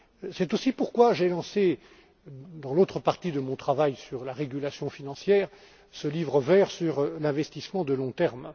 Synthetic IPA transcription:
sɛt̪osipuʁkwaʒelɑ̃se | d̪ɑ̃lot̪χəpaʁt̪id̪əmɔ̃t̪χavajsyʁlaʁeɡʲylasjɔ̃finɑ̃sjɛːʁ | səlivʁəvɛʁsyʁlɛ̃vɛst̪ismɑ̃d̪əlɔ̃t̪ɛʁm

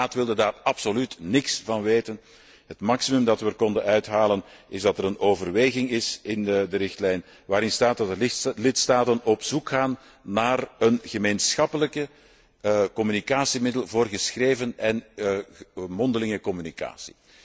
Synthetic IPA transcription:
aːtʋɪlˠdədaːrɑpsolytnɪksv̥ɑnʋeːtən | ɦətmɑksimɵmdɑtʋəkɔndənœɥtɦaːlənɪzdɑtəɾənoːvərʋeːɣɪŋɪsɪndəɾɪxtlɛjn | ʋaːɾɪnstaːt̚dɑtəlɪtstaːtənɔpsukxaːnː | aːrənɣəmeːnsxɑpələkə | kɔmynikaːsimɪdəlˠvoːrɣəsxreːvənɛn | mɔndəlɪŋəkɔmynika̰ːsi̥

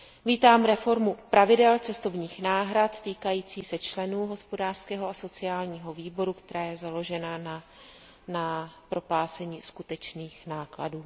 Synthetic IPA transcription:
viːt̪aːmɾɛfo̞ɾmupɾavɪdɛlt͡sɛst̪o̞vɲiːxnaːɦɾat̪t̪iːkajiːt͡siːsɛt͡ʃlɛnuːɦo̞spo̞daːr̥skɛːɦo̞aso̞t͡sɪaːlɲiːɦo̞viːbo̞ɾukt̪ɛɾaːjɛzalo̞ʒɛnana | napɾo̞plaːt͡sɛɲiːskut̪ɛt͡ʃniːxnaːkla̰duː

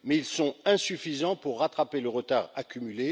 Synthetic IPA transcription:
mɛilsɔ̃ɛ̃syfizɑ̃puʁːat̪χapeləʁət̪aʁakʲymyle

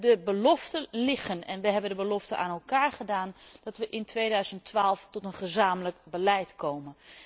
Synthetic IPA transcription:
dəbəlɔftəlɪχənɛ̰nʋəɦɛbəndəbəlɔftəʔa̰ːnɛlˠkaːɹχədaːnd̥ɑtʋəʔɪntʰʋeːdœɥzəntːʋaːlˠftɔtənχəzaːmələkbəlɛjtkowmən

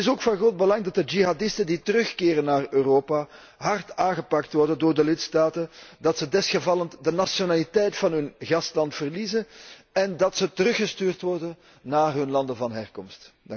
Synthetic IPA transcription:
ɪsoːkfɑnɣroːd̚bəlɑŋdɑt̚dəd͡ʒiɦadɪstənditəɾɵxkɪːɾənːaːrøːroːpa | ɦɑrtaːnɣəpɑktʋɔrdəndʊːrdəlɪtstaːtədɑtsədɛsxəvɑləntdənasjonaːlitɛjtfɑnɦɵnɣɑstlɑntfərliːzən | ɛndɑtsətəɾɵxəstyːrtʋɔrdən | naːrɦɵnlɑndəvɑnɦɛrkɔmst

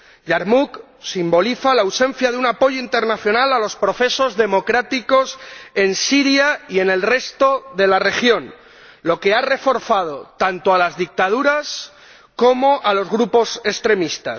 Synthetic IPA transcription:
ʝaɾmuk | simbo̞liθalaːwsẽ̞n̟θjaðeunapo̞ʝoint̪e̞ɾnaθjo̞nalalo̞spɾo̞θe̞so̞zðe̞mo̞kɾat̪iko̞se̞nsiɾjaie̞ne̞lre̞st̪o̞ðe̞lare̞xjo̞n | lo̞ke̞are̞fo̞ɾθað̞o̞t̪ant̪oalazðik̚t̪aðuɾas | ko̞mo̞ʔalo̞zɣɾupo̞se̞st̪ɾe̞mist̪a̰

